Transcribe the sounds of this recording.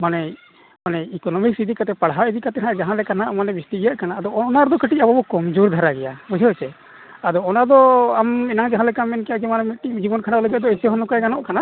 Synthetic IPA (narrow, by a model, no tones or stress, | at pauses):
manɛ | manɛikɔnɔmiksid̪ikat̪ɛpaɽɦaid̪ikat̪ɛnad͡ʒaɦãlɛkanaʔmanɛbist̪iɡɛjaʔkanaːd̪ɔnaɾd̪ɔkəʈic̪̚ababɔkɔmd͡ʒuɾd̪ʱaɾaɡɛjabəɦɔt͡ʃɛ | ad̪ɔːnad̪ɔamɛnaŋd͡ʒaɦãlɛkamɛnkɛaɡɛmanɛmɛʈid͡ʒibɔnkʰanakləɡɛʔd̪ɔɛsɛɦɔnɔkajɡanɔʔkana